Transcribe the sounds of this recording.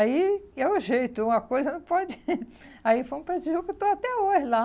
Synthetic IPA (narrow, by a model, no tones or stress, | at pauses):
aiɛũʒejt̪ʊũmɐkojzɐnɐ̃w̃pɔd͡ʒɪaifom̃pɾɐd͡ʒiuwkɪt̪oat̪ɛoʒɪla